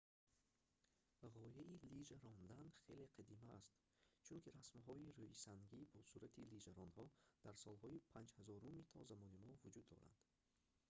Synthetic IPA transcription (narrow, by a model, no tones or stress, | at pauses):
ʁɔjailid͡ʒaɾɔnd̪anχe̞le̞qʰad̪imaːst̪ | t͡ʃʰunkiɾasmɦɔiɾuisaŋɡibɔsuɾat̪ʰilid͡ʒaɾɔnhɔd̪̥aɾsɔlhɔipʰand͡ʒhazɔɾumit̪ʰɔ̰zamɔnimɔvud͡ʒud̪ːɔ̰ɾa̰nd̪̥